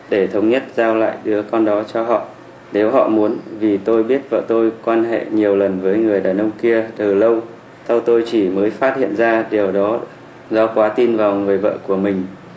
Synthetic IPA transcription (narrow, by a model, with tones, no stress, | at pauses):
ɗe˧˩t̪ʰə˨˦wŋ͡mɲə˦˥t̚zaː˧wla̰ː˧˨jɗɨ˨˦əkɔ˧nɗɔ˨˦t͡ɕɔ˧ɦɔ̰˧˨ | ne˨˦wɦɔ̰˧˨mu˨˦ənvi˨˩t̪o˧jɓi˦˥ət̚və̰ː˧˨t̪o˧jkwaː˧nɦḛ˧˨ɲi˨˩əwlə˨˩nvəː˨˦jŋɨ˨˩əjɗaː˨˩nʔə˧wŋ͡mki˧ət̪ɨː˨˩lə˧w | sa˧wt̪o˧jt͡ɕi˧˩məː˨˦jfaː˦˥t̚hḭ˧˨ənzaː˧ɗi˨˩əwɗɔ˨˦ | zɔ˧kwaː˨˦t̪i˧nvaː˨˩wŋɨ˨˩əjvə̰ː˧˨ku˧˩əmï˨˩ŋ̟